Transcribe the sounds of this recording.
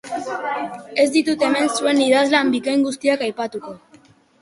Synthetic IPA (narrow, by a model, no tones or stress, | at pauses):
e̞zd̪it̪ut̪e̞me̞nsue̞niðazlambikajŋɡust̪iakajpat̪uko̞